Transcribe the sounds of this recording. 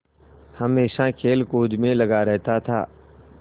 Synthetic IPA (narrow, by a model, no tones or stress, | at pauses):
hɐmeːʃakʰeːlkoːd͡ʒmẽlɐɡaɾɛɦt̪at̪ʰa̰ː